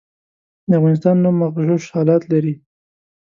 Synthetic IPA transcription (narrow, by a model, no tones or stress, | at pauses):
d̪əafɣɑnɪst̪ɑnːumːaɣʒoʃhɑlɑt̪laɾi